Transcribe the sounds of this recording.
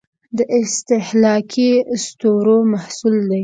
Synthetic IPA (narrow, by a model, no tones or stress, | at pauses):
d̪əʔɪst̪ɪhlɑkʰist̪oɾomahsuld̪aj